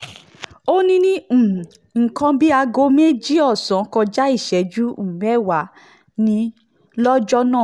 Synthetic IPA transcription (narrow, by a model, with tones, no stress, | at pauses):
o˦nĩ˦nĩ˦˨ | ŋ̩˨kã˧bi˦a˧ɡo˧˦me˦d͡ʒi˦ɔ˦˨sã˨˦kɔ˧d͡ʒa˦i˦˨ʃɛ˨˦d͡ʒu˦ũ˦˨mɛ˦˨wa˨˦ | nĩ˧˦ | lɔ˦d͡ʒɔ˦nãː˦˨